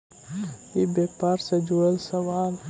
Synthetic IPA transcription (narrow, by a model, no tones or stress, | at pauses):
ibeːpaːɾsed͡ʒoelsɐwaːl